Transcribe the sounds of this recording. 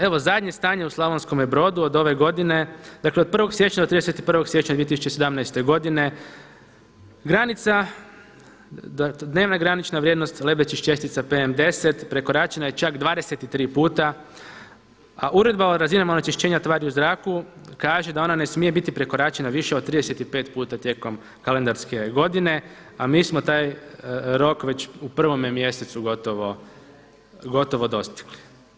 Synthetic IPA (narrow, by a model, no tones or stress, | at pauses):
e̞ʋo̞zad̪ɲe̞st̪aːɲeuslˠaʋonsko̞mjebɾo̞ːd̪uo̞d̪o̞ʋe̞ɡo̞d̪ine̞d̪̥akled̪̚pr̩ʋo̞ɡsje̞t͡ɕɲad̪ot̪ɾideset̪i̥pr̩ʋo̞ɡslje̞t͡ɕɲad̪iet̪isu̥t͡ɕesed̪amnajst̪e̞ɡo̞d̪ine̞ | ɡɾanit̪sa | d̪ne̞ːʋnaɡɾanit͡ʃnaʋɾjed̪no̞st̪ʲle̞blet͡ʃiʃt͡ɕe̞st̪it̪sapeemd̪e̞set̪pɾe̞ko̞ɾaːt͡ʃenajet͡ʃakd̪ʋaːd̪e̞set̪it̪ɾiːpuːt̪a | aʔuɾe̞d̪̚baoɾazinamonot͡ʃeʃt͡ɕeːɲat̪ʋaːɾiuzɾaːkukaːʒed̪ao̞nanesmije̞bit̪ipɾe̞ko̞ɾaːt͡ʃenaʋiʃeod̪t̪ːɾid̪eset̪ipe̞ːt̪puːt̪at̪je̞ːko̞m | kale̞nd̪aɾske̞ɡo̞d̪ine̞ | amiːsmot̪aːjɾo̞kʋe̞t͡ɕupr̩ʋo̞mjmje̞set̪suɡot̪oʋo̞ | ɡo̞t̪oʋo̞d̪o̞st̪i̥ɡli̥